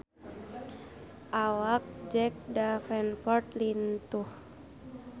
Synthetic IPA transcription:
ʔawak̚d͡ʒɛk̚dafɛnpɔrt̪lint̪uh

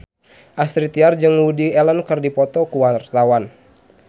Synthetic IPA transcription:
ʔast̪ɾit̪iard͡ʒɨŋwudiɛlənkɨrdipɔt̪ɔkuwart̪awan

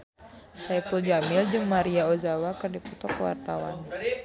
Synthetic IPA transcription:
sajpuld͡ʒamɪld͡ʒɨŋmaɾiaozawakɨrdiput̪ɔkːəwa̰rt̪awa̰n

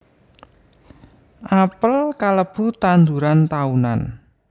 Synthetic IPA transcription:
ʔapəlkaləb̥ṳt̪and̪uɾant̪auna̰n

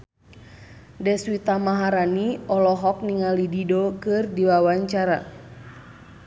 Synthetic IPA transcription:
dɛswit̪amaɦaɾaniɔlɔɦɔk̚niŋalididɔkɨrdiwawaɲt͡ʃaɾa̰

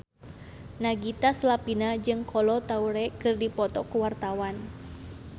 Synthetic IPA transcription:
naɡit̪aslapinad͡ʒɨŋkʰɔlɔt̪auɾɛkɨrdipɔt̪ɔkuwart̪awan

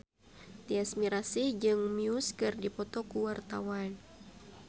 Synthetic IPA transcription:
t̪iasmiɾasid͡ʒɨŋmiuskɨrdipɔt̪ɔkuwart̪a̰wan

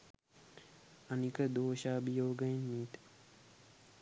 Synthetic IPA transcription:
anikəd̪oːʃaːbijoːɡəjinmiːt̪

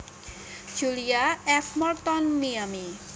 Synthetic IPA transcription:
d͡ʑulijaɛfʰmɔɾt̪ɔnmijami

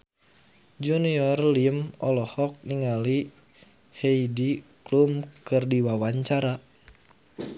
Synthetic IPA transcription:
d͡ʒuniɔrliəmɔlɔhɔk̚niŋali | heidiklumkɨrdiwawaɲt͡ʃaɾa

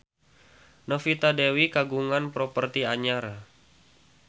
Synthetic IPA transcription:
nofit̪adewikaɡuŋanpɾɔpərt̪iaɲaɾa

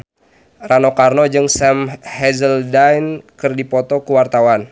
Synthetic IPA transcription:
ranokarnɔd͡ʒɨŋsɛmhɛzəldajnkɨrdipɔt̪ɔkuwart̪awan

